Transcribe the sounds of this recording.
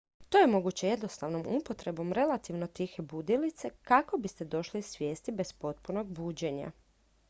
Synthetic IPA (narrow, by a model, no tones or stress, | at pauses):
t̪o̞ːjemo̞ɡut͡ɕeje̞d̪nosaʋnomupot̪ɾe̞bo̞mɾe̞lat̪iʋno̞t̪ixebud̪ilit̪se̞kako̞bist̪e̞d̪o̞ʃlisʋje̞ːst̪ibe̞spo̞t̪puno̞ɡbuːd͡ʑe̞ɲa̰